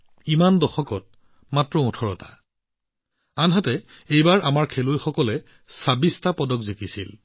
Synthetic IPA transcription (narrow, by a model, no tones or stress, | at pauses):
imandɔxɔkɔt̚ | matɹɔɔ̃tʰɔɹɔta | anɦatɛ | ejbaɹamaɹkʰelojxɔkɔlɛ | sabistapɔdɔkzekisil